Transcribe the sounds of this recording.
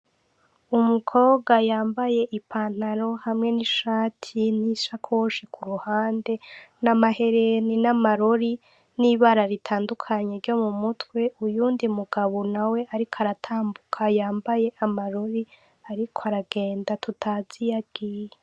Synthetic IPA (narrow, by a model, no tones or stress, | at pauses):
umukʰo̞ːbɡajaːmbaje̞ʔipʰaːn̥aɾo̞hamŋe̞niʃaːtʰin̥iʃakʰoʃikʰuɾuhaːnde̞namahe̞ɾe̞ninamaɾoɾi | niβaɾaɾitʰaːndukʰaɲeɾɟo̞mumutwe̞ʔujuːndimuɡaβonawe̞ʔaɾikoaɾatʰaːmbukʰajaːmbaje̞ʔamaɾoɾi | aɾikʰoaɾaɡe̞ːndatutʰaːz̥ijaɡ̥ije